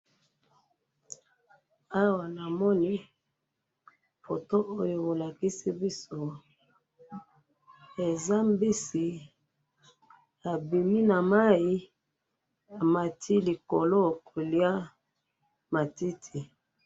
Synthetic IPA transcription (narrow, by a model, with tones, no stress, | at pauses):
a˦wa˨na˨mɔ˦ni˦ | fo˨to˦ʔo˦jo˨bo˨la˨ki˦si˦bi˦so˦ | e˨za˦mbi˦si˨ | a˨bi˨mi˦na˨ma˦i˦ | a˨ma˨tʰi˦li˨ko˨lo˦˨ko˨li˦a˦ | ma˨ti˦tʰi˨